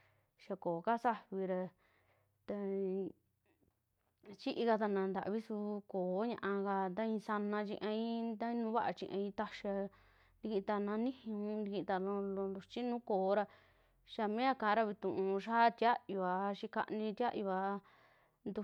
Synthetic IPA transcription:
ʃa˧koː˨ka˦sa˦βi˧ɾa˧ | t̪a˧ | t͡ʃi˦ʔi˧ka˧t̪a˧nã˨˧nd̪a̰˨ʔβi˦su˧koː˨˦ɲã̰˧ʔã˧ka˧d̪a˦ĩ˧sa˧nã˧t͡ʃḭ̃˧ʔã˧ĩ˦t̪a˦ĩ˧nũː˧˦βa˦ʔa˧t͡ʃḭ̃˧ʔã̰˧ĩ˧t̪a˧ʃa˧ | nd̪i˧kĩ˧t̪a˧nã˧nĩ˦hũ˧nd̪i˧kĩ˧t̪a˧lõ˧lo˧ndu˧t͡ʃi˦nũː˦koː˨˦ɾa˧ | ʃa˧mẽ˦a˧kã˨˦˧ɾa˧βi˧t̪ũ˨ʔũ˧ũ˧ʃaː˦˧t̪ja˦ju˧a˨˧ʃi˧ka̰˧ʔnĩ˧t̪ʲa˦ʔju˧a˧ | nd̪u˧

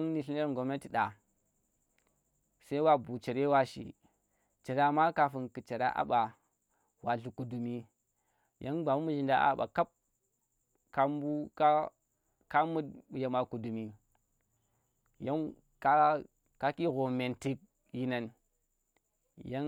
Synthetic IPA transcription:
ŋni˨ɬi˦e˦ɾŋɡo˨me˦ti˨ɗa˨ | sa˦wa˦bu˨t͡ʃe˨ɾe˦wa˦ʃḭ˨ | t͡ʃe˨ɾa˦˨ma˦ka˨fu˨nkɨ˨t͡ʃa˨ɾa̰˦ʔa̰˦ɓa˨ | wa˨ɮu˨ku˨du˨mi˦ | jʔa˦ŋɡ͡ba˨mu˦mu˦ʒi˨nda˦ʔa̰˨ɓa̰˨ka˦p̚ | ka˨mbu˦ka˦ | ka˦mu˦dja˨ma˨ku˨du˨mi˨ | ja˦n | ka˦ | ka˦ki˦ɣo˨me˨nti˦k̚ | ji˦na˨n | ja˦

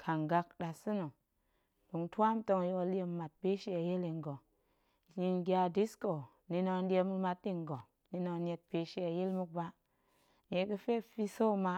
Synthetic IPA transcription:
kʰa˨ŋɡa˧kɗa˨sɨ˦no˨ | bu˨ŋtʷa˦m˦to˧ŋ˦jo˦o˧li˦e˧m˦ma˨t̚be˦ʃe˦a˨je˦li˨˧ŋɡo˨ | ji˧ŋɡʲa˧di˦sko˨ | ni˧no˧n˦di˦e˧mu˧ma˧t̚ːi˦ŋ˨ɡo˨ | ni˧no˧n˦e˧t̚pe˨ʃe˦a˨je˦lmu˦k̚ba˦ | ne˨kə˦fe˦fi˧so˦˨ma˧

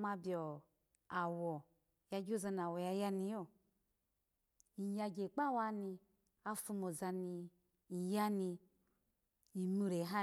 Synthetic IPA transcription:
ma˧bʲjɔ˨ | a˨wɔ˨ | ja˧ɡʲo˦˨za˧n˨a˨wɔ˨ja˧ja˧ni˧jo˦˨ | i˨ja˧ɡe˨k͡pa˦wa˧˦ni˧ | a˦fu˧mo˨za˧ni˧ | i˨ja˦ni˧ | i˨mu˨ɾe˨˦ɦa˦

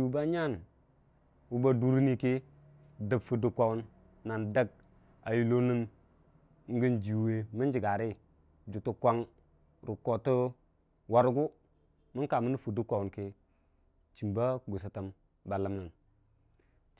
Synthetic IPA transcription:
u˨ba˦ɲa˦˨n | wu˦ba˦du˦ɾi˦ni˦ki˦ | də˨bfu˨du˦kʷa˦˨wu˦nː | a˨nda˦ɡ̚ | a˨ju˨lo˦nə˦n˦ | ŋ̩˦ɡə˦nd͡ʒi˨we˦mi˦nd͡ʒi˨ɡa˨ɾi˦ | d͡ʒu˨tu˦kʷa˦ŋ | ɾu˨ko˨tə˦ | wa˨ɾɡu˦ | mə˦ka˨mə˦nə˦fu˨du˦kʷa˨wu˨nki˦ | t͡ʃi˨mba˦ɡu˨s̬i˨ta˨m | ba˨la˨˦mna˨n

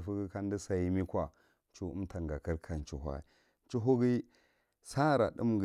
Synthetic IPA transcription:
fu˦ɡi˦ka˦ndi˦sa˨i˦mi˦kʷa˨ | nt͡ʃu˦ṵ˦mtʰa˨ŋɡa˨kə˦ɾkʰa˨n˨t͡ʃu˦ɦʷa̰˦ḭ˨˦ | t͡ʃu˦ɦu˦ɡi˦ | sa˦˨ɾa̰˨ɗṵ˦mɡ

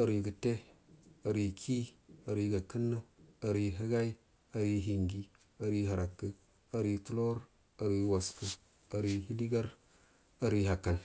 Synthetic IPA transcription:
a˨ɾi˨ɡə˨te˦a˨ɾi˨kʰi˦a˨ɾi˨ɡa˨kə˦nːa˦a˨ɾi˨ɦə˦ɡa˦i˦ | a˨ɾi˦ɦi˨ŋɡi˦ | a˨ɾi˦ɦa˨ɾa˨kːə˦ | a˨ɾi˨tu˦lo˦ɾ | a˨ɾi˨wa˨sku˨ | a˨ɾi˨hi˦li˦ɡa˦ɾ | a˨ɾi˨ɦa˨kːa˨l

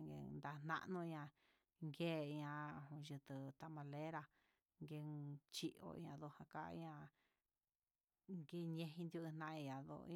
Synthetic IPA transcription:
ŋɡḛ˧˨nd̪a˧n̥ã̰˧ʔnũ˧ã˧ | ŋɡe˦˨i˧ɲã˧õ˧ʒɨ˧t̪ɨ˨t̪a˧mã˧le˦ɾa˧ | ŋɡe˧t͡ʃi˦ʔo̰˧ḭ˧ã˧ðo˧hã˧ka̰˦˧ḭ˧˦ã˧ | ŋɡe˧ɲẽ˧ɦĩ˧nd̪ju˧nã˧ʔĩ˧ã˨ðo̰˧˦

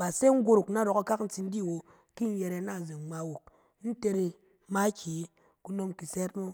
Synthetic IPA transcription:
ba˨se˦ŋ̩˦ɡʷo˦ɾu˨kna˦˨ɾo˨ka˦ka˦kn̩˦ti˦n̩˦di˦˨wo˨ | ki˦n̩˦je˨ɾe˨˦na˦˨ze˨ŋ͡ma˨wo˨k̚ | n̩˦te˦ɾi˨ | ma˦ki˨˦ | ku˦no˦mki˨sɛ˦t̚mo˦

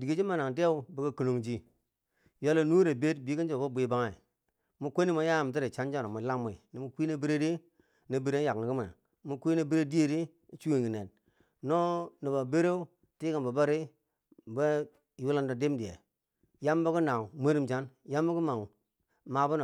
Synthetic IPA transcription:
di˨ɡi˦d͡ʒi˦ma˨na˨ŋde˦u˦bi˨ka˦ki˨no˨ŋd͡ʒi˦ | jo˦lo˨nu˦ɾe˨be˦tbi˨˦ki˦nd͡ʒo˨ko˦bʷi˦ba˦ŋa˨ḭ˨ | mu˦kʷo˦ni˦ma˨ja˦˨m˨t̬i˦ɾe˨t͡ʃa˦nd͡ʒa˦ɾo˨mu˨la˦mːo˨i˨ni˨mu˨kʷi˦ne˦bi˦ɾe˦di˦ | na˨bi˨ɾe˦ja˨kni˨ki˦ma̰˨ | mu˨˦kʷi˦na˨bi˦ɾe˦di˦je˦ɾi˦˨ | t͡ʃu˦e˨ŋɡi˨ne˨n | no˦ni˨ba˨be˦ɾe˦u˦ | ti˦ka˨nba˨ba˦ɾi˦˨ | be˦˨ | ju˦la˦ndo˨de˦mdi˨jḛ˨ | ja˦mba˦ku˦na˨ŋ˨mʷe˦ɾi˦mt͡ʃa˦nja˦mːa˦ku˦ma˨ŋ˨ | ma˨bu˦no˨

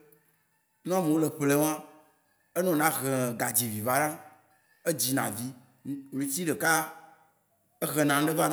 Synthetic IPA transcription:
ñ˦mẽ˨wo˦le˨ɸle˦wã˦ | e˦nɔ̃˨nã˦ɣe˨ɡa˨d͡ʑi˨vi˨va˦ɖã˦ | e˦d͡ʑi˨nã˨vi˦˨ | ĩ˨˦t̪i˦ɖe˨ka˦ | e˦ɣe˨nã˨ŋ˦ɖe˦va˦

